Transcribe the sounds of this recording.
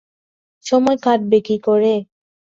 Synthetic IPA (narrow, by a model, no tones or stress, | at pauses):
ʃɔmɔekaʈ̚bekɾikoɾe